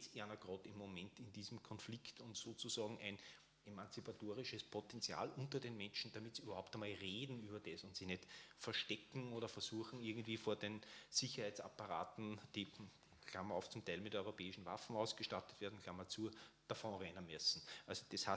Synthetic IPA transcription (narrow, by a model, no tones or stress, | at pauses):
t͡seɐnɐɡ̥ʁɔːtɪmːomɛntɪndiːzmkʰɔnflɪktʊntsoːt͡susɑːɡŋ̩ʔæ̰ɪn | emant͡sipatoːʁɪʃəspʰotɛnt͡sja̰ːlʊ̃ntɐdeːnmɛnʃn̩d̥amɪtsiyːbɐhʊp̚tɐmaːlʁeːdn̩yːbɐd̥esʊ̃ntsiːnɛtfɛɐʃtɛkŋ̩oːɾɐfɛɐsuːɐxŋ̩ɪɐɡŋ̩tv̥iːfoːɐdensɪçɐhæɪt͡sa̰pɐʁa̰ːtn̩d̥iː | kʰlamɐɔʊft͡sʊmtʰæɪlmɪtœʏʁopʰɛːɪʃn̩va̰fn̩aʊsɡ̥əʃtatətveɐdn̩kʰl̥amːɐt͡sud̥afɔ̃ːʁɛɪnɐmɛsn̩ʔalzod̥esha